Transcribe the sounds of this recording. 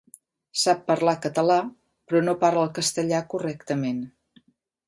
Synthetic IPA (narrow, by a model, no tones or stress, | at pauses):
sapːəɾlakət̪əla | pɾɔnopaɾləlˠkəst̪əʎakurɛkt̪əmen